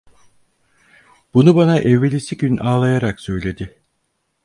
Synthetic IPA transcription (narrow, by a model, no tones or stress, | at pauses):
b̥unubanaʔɛvːelʲisiɟynaːlˠajaɾaksø̞jlʲe̞d̪ɪ